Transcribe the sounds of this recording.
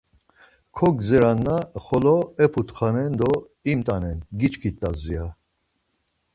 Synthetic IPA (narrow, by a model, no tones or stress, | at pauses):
kʰɔɡzɛɾanːaχɔlɔɛpʰut̪χanɛnd̪ɔ | imt̪ʼanɛnɡit͡ʃkʰit̪ʼazia